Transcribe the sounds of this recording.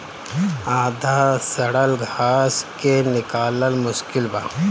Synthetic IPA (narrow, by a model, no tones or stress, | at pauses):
aːd̪ʱasɐɽəlɡʱaːskenɪkaːləlmʊʃkɪlba̰ː